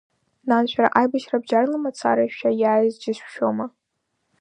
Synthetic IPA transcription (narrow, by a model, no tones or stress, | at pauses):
nanʃᶣaɾa̰ʔajbaʃrabd͡ʒarlamat͡sʰa̰ɾaʃʃᶣajaːjzd͡ʒɪʃʷʃᶣoma